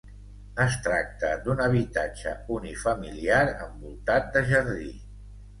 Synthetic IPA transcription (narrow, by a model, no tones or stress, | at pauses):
əst̪ɾak̚t̪əd̪unəβ̞it̪ad͡ʒə̰unifəmiliaɾə̰mbulˠt̪at̪̚d̪əʒəɾði